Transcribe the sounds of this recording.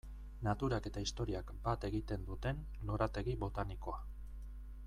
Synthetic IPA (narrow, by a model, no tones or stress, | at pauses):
nat̪uɾake̞t̪aist̪o̞ɾiakbat̪e̞ɣit̪e̞nd̪ut̪e̞n | lo̞ɾat̪e̞ɣiβo̞t̪aniko̞a